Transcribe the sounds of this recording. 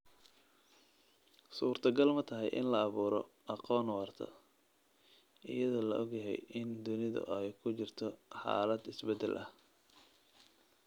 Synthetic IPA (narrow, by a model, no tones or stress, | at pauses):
suːrt̪ʰɐɡɐlmɐt̪ʰɐɦɛjʔɪ̰nlɐɑβuːɾɔ | ʔɑqɔːnwɑːrt̪ʰɐ̰ | ʔɪ̰jɐðɔːlɐʔɔɡjɐɦɛ̰jʔɪnd̪ʊnɪðɐ̰ʔɛjkʰʊt͡ʃɪrt̪ʰɔħɑ̰ːlɐd̪ɪsbɛd̪ːɛlʔɐh